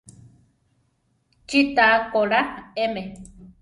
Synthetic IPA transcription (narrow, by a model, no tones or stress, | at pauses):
t͡ʃit̪akoɺaeme